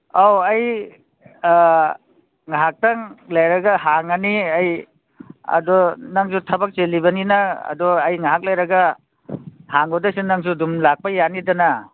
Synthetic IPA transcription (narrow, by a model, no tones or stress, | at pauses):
awɐj | ŋaɦak̚tɐŋlajɾɐɡahaŋaniaj | ɐ̰dɔnɐŋsutʰɐbɐk̚t͡ʃelibɐninɐɐ̰dɔɐjŋaɦak̚lajɾɐɡɐ | haŋodasinɐŋsudumlak̚pɐjanidɐna